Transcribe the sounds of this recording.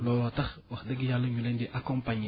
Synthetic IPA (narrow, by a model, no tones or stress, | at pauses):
lɔlɔtɐxwɐxdəɡijalːəɲulɛndɛʔakɔmpaɲ